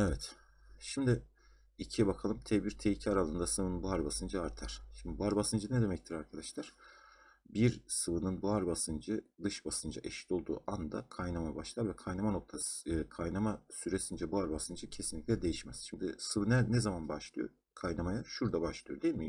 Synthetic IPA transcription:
evɛt̪ | ʃimd̪ɪ | icʰiɛbakʰalˠɯmt̪ʰebiɾt̪ʰejicʰaɾalˠɯnd̪asɯvɯnɯnbuaɾbasɯnd͡ʒɯaɾt̪ʰaɾ̥ʃimd̪ibuaɾbasɯnd͡ʒɯnɛd̪e̞mɛc̚t̪ʰiɾaɾkʰad̪aʃlˠaɾ̥ | biɾsɯvɯnɯnbuaɾbasɯnd͡ʒɯd̪ɯʃbasɯnd͡ʒa̰ʔɛʃi̥t̪ʰo̞lˠd̪ṵːʔand̪a̰kʰajnamajbaʃlˠaɾvɛkʰajnamano̞k̚t̪ʰaskʰajnamasyɾesind͡ʒɛbuaɾbasɯnd͡ʒɯcʰesinlʲic̪̚ʲlʲɛd̪e̞jiʃmɛz̥ʃimd̪isɯvɯnɛnɛzamanbaʃlˠɯjo̰ | kʰajnamajaʃuɾd̪abaʃlˠɯjo̞d̪ejilʲmi

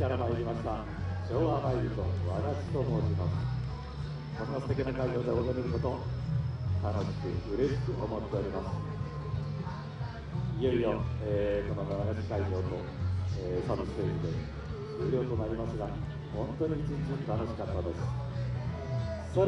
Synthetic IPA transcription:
aɾamaiɾʲimaɕi̥ɡ̪a | t͡ɕo̞ːβamaiɾɯt̪o̞̰βanaɕi̥t̪o̞mo̞ːɕimasɨ̥ | sõ̞nːaɸɯ̟̥t̪e̞kʲinakaiʑo̞ːd̪eozoɾeɾɯ̟ko̞t̪o̞ | t̪ano̞ɕi̥kɯ̟ɯ̟ɾe̞ɕi̥kɯ̟ʔomo̞t̪ːe̞o̞ɾʲimasɨ̥ | ijo̞ijoekonot̪aβanaɕi̥kaid͡ʑo̞ːt̪o̞ | esabist̪eɯnod̪e̞ | eɾʲjoːt̪o̞naɾʲimasɨɡa | hõ̞nt̪oɲ̟it͡ɕɨɲd͡ʑit̪ano̞ɕi̥kat̪ːad̪e̞sɨ̥ | so

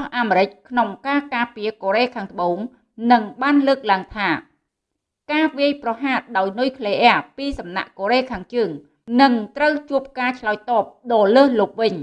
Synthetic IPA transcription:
hʔaːmeːɾɨc̚kʰnoŋkaːkaːpiəkoːɾeːkʰaːŋt̪ə̆ɓoːŋ | nɨŋɓaːnləːk̚laəŋt̪ʰaː | kaːʋiəjprɑɦaːt̪̚ɗaɔjnujkʰleːʔɛəpiːsɑmna̰ʔkoːɾeːkʰaːŋt͡ɕəːŋ | nɨŋt̪rəwt͡ɕuəp̚kaːt͡ɕʰlaɔjt̪ɑːp̚ɗɑːləːhloːp̚ʋɨɲ

